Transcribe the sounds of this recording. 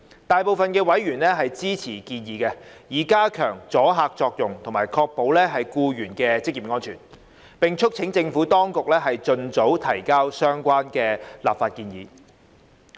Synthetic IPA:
t̪aː˨jpo˨wfɐ˨nkɛː˧wɐ˨˥jɥyː˨˩nlɛː˥ɦɐ˨jt͡siː˥t͡sʰiː˨˩kiː˧njiː˨˧kɛ˧jiː˨˩kaː˥kʰœ̰ː˨˩ŋt͡sɔː˨˥ɦaː˧k̚t͡sɔː˧k̚jʊ˨˩ŋt̪ʰŋmaː˨˩jkʰɔː˧k̚po˨˥wlɛː˥ɦɐ˨jkuː˧jyː˨˩nkɛː˧t͡sɪ˥k̚jiː˨p̚ŋɔː˥nt͡ʃʰy̰ː˨˩n | pɪ˨ŋt͡ʃʰɵ˥k̚t͡sʰɪ˨˥ŋt͡sɪ˧ŋfuː˨˥t̪ɔː˥ŋkʊ˨k̚lɛː˥ɦɐ˨jt͡ʃɵ˨nt͡so˨˥wt̪ʰɐ˨˩jkaː˥wsœː˥ŋkʷaː˥nkɛː˧la̰ː˨pfaː˧t̚kiː˧njiː˨˦

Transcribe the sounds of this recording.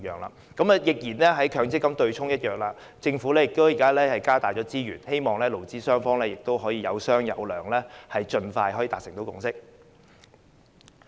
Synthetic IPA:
jœ̰ː˨ŋla̰ː˧ | kɐ˨˥mɐ˧jɪ˨k̚jiː˨˩nlɛ˥ɦɐ˨˥jkʰœː˨˥ŋt͡sɪ˥kːɐ˥mt̪ɵ˧ɥt͡sʰʊ˥ŋjɐ˥t̚jœː˨˩ŋ̚laː˧ | t͡sɪ˧ŋfuː˨˥lɛː˥jɪ˨k̚t̪o˥wjiː˨˩kaː˥lɛː˥hɐ˨jkaː˥t̪aː˨jt͡ʃɔː˨˥t͡siː˥jyː˨˩nhe˥jmɔː˨ŋlɛː˥lo˨˩wt͡siː˥sœː˥ŋfɔː˥ŋlɛː˥jɪ˨k̚t̪o˥wɦɔː˨˥jiː˧jɐ̰˨˧wsœː˥ŋjɐ̰˨˧wlœː˨˩ŋlɛː˥hɐ˨jt͡ʃɵ˧nfaː˧jhɔː˨˥ji˧t̪aː˨k̚sɪ˨˩ŋt̪o˨˧wkʊ̰˧ŋsɪ˥k̚

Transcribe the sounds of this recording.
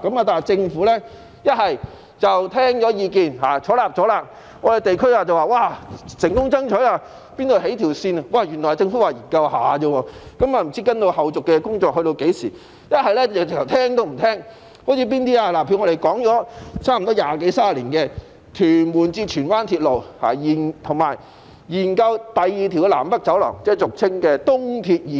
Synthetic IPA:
kɐ˨˥maː˧t̪aː˨t͡sɪ˧ŋfuː˨˥lɛ˥ | jɐ˥t̚hɐ˨j | t͡sɐ˨wt̪ʰɛː˥ŋt͡ʃɔː˨˥jiː˨˧kiː˨nhaː˨˩t͡ʃʰɔː˨˥laː˨p̚t͡sɔ˨˥laː˧p̚ | ŋɔː˨˧de˨jt̪e˨jkʰɵ˥ɥaː˧t͡sɐ˨waː˨˩waː˧˩sɪ˨˩ŋkʊ˥ŋt͡sɐ˥ŋt͡ʃʰɵ˨˥aː˧ | piː˥nt̪o˨˧wɦe˨˥jt̪ʰi˨˩wsiː˧na˧waː˨jyː˨˩nɔ˨˩ha˨t͡sɪ˧ŋfu˨˥waː˨˩ji˨˩nkɐ˧wha̰ː˨t͡ɕə˧wɔː˧kɐ˨˥maː˨m̩˨˩t͡siː˥kɐ˥nt̪o˧whɐ˨˩wt͡sʊ˨kːɛ˧kʊ˥ŋt͡sɔː˧k̚hɵ˧ɥt̪o˧wke˨˥jsiː˨˩ | jɐ˥t̚hɐ˨jlɛ˥˨ɐ˨˩t͡skt̪ʰɐ˨˩wt̪ʰɛː˥ŋt̪o˥wm̩˨˩t̪ʰɛː˥ŋ | ho˨˥t͡sʰiː˧p̬iː˥nt̪iː˥aː˧laː˨˩pʰy˧˥ŋɔ˨˧ɾe˨˩jkɔː˨˥ŋt͡ʃɔː˨˥t͡sʰaː˥m̩˨˩t̪ɔː˥jaː˨˩ke˨˥jsaː˥˨liː˨˩nkɛː˧ | t̪ʰyː˨˩nmuː˨˩nt͡siː˧t͡ʃʰyː˨˩nwaː˥nt̪ʰiː˧t̚lo˨wha̰ː˨˩jiː˨˩nt̪ʰʊ˨˩ŋma̰ː˨˩j | jiː˨˩nkɐ˧wt̪ɐ˨jːi˨t̪ʰi˨˩wkɛ˧la̰ː˨˩mpɐ˥k̚t͡sɐ˨˥wlɔ̰ː˨˩ŋt͡sɛː˥˩t͡sʊ˨k̚t͡sʰɪ˥ŋkɛː˧t̪ʊ˥ŋt̪ʰi˧t̚jiː˨˩

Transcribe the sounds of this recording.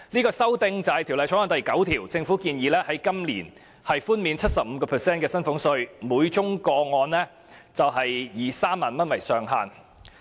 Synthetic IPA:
liː˥kɔː˧sɐ˥wt̪ɪ˧ŋt͡sɐ˨hɐ˨jt̪ʰiː˨˩wlɐ˨jʰɔ˨˥ŋɔː˧nt̪ɐ˨jkɐ˨˥wt̪ʰiː˨˩wt͡sɪ˧ŋfu˨˥kiː˧njiː˨˧lɛː˥hɐ˨˥jkɐ˥mliː˨˩n | hɐ˨jfuː˥nmiː˨˧nt͡sʰɐ˥t̚sɐ˨p̚m̩˨˧kɔː˧pʰɛː˨sɛː˥nkɛː˧sɐ˥nfʊ˨˥ŋsɵ˧ɥmuː˨˧˥jt͡ʃʊ˥ŋkɔː˧ŋɔː˧nlɛː˥ | t͡sɐ˨wɦɐ˨jːiː˨saː˥mːaː˨˩nmɐ˥nwɐ˨˩jsœː˨˩ŋɦaː˨n

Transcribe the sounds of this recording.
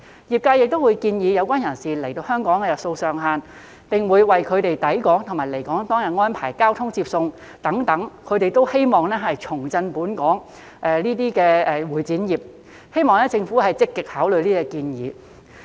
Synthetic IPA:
jiː˨p̚kaː˧jɪ˨k̚t̪o˥wu˨˧jkiː˧njiː˨˧jɐ˨˧wkʷaː˥njɐ˨˩nsiː˨le˨˩jt̪o˧whœː˥ŋkɔː˨˥ŋkɛ˧jɐ˨˩t̚so˧wsœː˨˩ŋɦaː˨˧n | pɪ˨ŋwuː˨˧jwɐ˨jkʰɵ˨˧ɥt̪e˨jt̪ɐ˨˥jkɔː˨˥ŋt̪ʰʊ˨˩ŋmaː˨˩jle˨˩jkɔː˨˥ŋt̪ɔː˥ŋjɐ˨t̚ŋɔː˥npʰaː˨˩jkaː˥wt̪ʰʊ˥ŋt͡siː˧p̚sʊ˧ŋ | t̪ɐ˨˥ŋt̪ɐ˨˥ŋkʰɵ˨˧ɥt̪e˨jt̪o˥whe˥jmɔː˨˩ŋnɛː˥ɦɐ˨jt͡ʃʰʊ˨˩ŋt͡sɐ˧npuː˨˥nkɔː˨˥ŋ | ʔɛː˨˧liː˥t̪iː˥kɛː˧ɛː˧wuː˨˩jt͡siː˨˥njiː˨p̚ | he˥jmɔː˨ŋnɛː˥t͡sɪ˧ŋfuː˨˥hɐ˨jt͡sɪ˥kːɪ˨k̚haː˨˥wlɵ˨˧ɥliː˥ɛ˧kiː˧njiː˨˥

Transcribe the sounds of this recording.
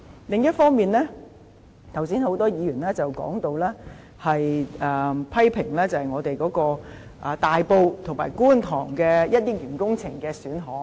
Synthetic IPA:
lɪ˨˧ŋjɐ˥t̚fɔː˥ŋmiː˨nlɛː˥ | t̪ʰwsiː˨˥nho˨˥wt̪ɔː˥jiː˨˧jyː˨˩nlɛː˥t͡sɐ˨˩wkɔ̰ː˨˥ŋt̪o˧wlɛː˥ | hɐ˨jɛː˨pʰɐ˥jpʰɪ˨˩ŋlɛː˥t͡sɐ˨hɐ˨jŋɔː˨˧t̪e˨jkɔː˨˥kɔː˧ | ʔɐː˨t̪aː˨jpo˧wt̪ʰʊ˨˩ŋma̰ː˨˩jkuː˥nt̪ʰɔ̰ː˨˩ŋkɛː˧jɐ˥t̚jɪ˥k̚jyː˨˩nkʊ˥ŋt͡sʰɪ˨˩ŋkɛː˧syː˨˥nɦɔː˨˥

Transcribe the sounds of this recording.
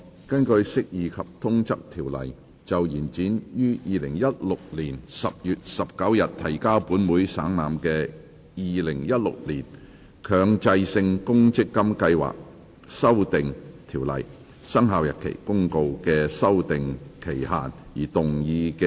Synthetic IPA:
kɐ˥nkɵ˧ɥsɪ˥k̚jiː˨˧kʰɐ˨p̚t̪ʰʊ˥ŋt͡sɐ˥k̚t̪ʰiː˨˩wlɐ̰˨˩j | t͡sɐ˨wjiː˨˩nt͡siː˨˥njyː˥jiː˨˧lɪ˨˩ŋjɐ˥t̚lʊ˨k̚liː˨˩nsɐ˨p̚jyː˨t̚sɐ˨p̚kɐ˨˥wjɐ˨t̚t̪ʰɐ˨˩jkaː˥wpuː˨˥nmuː˨˥jsaː˨˥ŋnaː˨mkɛː˧ | jiː˨lɪ˨˩ŋjɐ˥t̚lʊ̰˨k̚liː˨˩n | kʰœː˨˧ŋt͡sɐ˧jsɪ˧ŋkʊ˥ŋt͡sɪ˥kːɐ˥mkɐ˧jwa̰ː˨k̚ | sɐ˥wt̪ɪ˨ŋt̪ʰiː˨˩wlɐ̰˨˩j | sɐ˥ŋɦaː˨wjɐ˨t̚kʰḛ˨˩jkʊ˥ŋko˧wkɛː˧sɐ˥wt̪ɪ˨ŋkʰe˨˩jɦa̰ː˨˩njiː˨˩t̪ʊ˨ŋjiː˧kɛ˧

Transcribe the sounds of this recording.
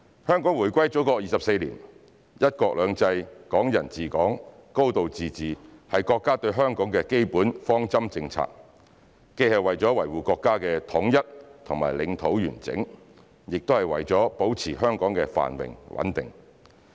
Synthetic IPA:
hœː˥ŋkɔː˨˥ŋwuː˨˩jkʷɐ˥jt͡sɔ˨˥kɔː˧jiː˨sɐ˨p̚se˧jliː˨˩n | jɐ˥t̚kɔː˧k̚lœː˨˧ŋt͡sɐ˧jkɔː˨˥ŋjɐ˨˩nt͡siː˨kɔː˨˥ŋko˥wt̪o˨wt͡siː˨t͡siː˨hɐ˨jkɔː˧kːaː˥t̪ɵ˧ɥɦœː˥ŋkɔː˨˥ŋkɛː˧ke˥jpuː˨˥nfɔː˥ŋt͡sɐ˥mt͡sɪ˧ŋt͡sʰa̰ː˧k̚ | ke˥jhɐ˨wɐ˨jt͡sɔː˨˥wɐ˨˩jwuː˨kɔː˧kːaː˥kɛː˧t̪ʰʊ˨˥ŋjɐ˥t̚t̪ʰʊ˨˩ŋma̰ː˨˩jlɪ˨˧˥ŋt̪ʰo˨˥wjyː˨˩nt͡sɪ̰˨˥ŋ | jɪ˨k̚t̪o˥whɐ˨˩jwɐ̰˨jt͡sɔː˨˥po˨˥wt͡sʰiː˨˩ɦœː˥ŋkɔː˨˥ŋkɛː˧fa̰ː˨˩nwɪ̰˨˩ŋwɐ̰˨˥nt̪ɪ̰˨ŋ

